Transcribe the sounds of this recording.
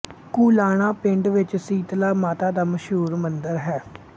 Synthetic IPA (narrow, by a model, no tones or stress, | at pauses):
kuːlaːɳ̃aːpɪɳɖʋɪt͡ʃsiːt̪laːmaːt̪aːd̪aːməʃɦuːɾmənd̪əɾɦɛː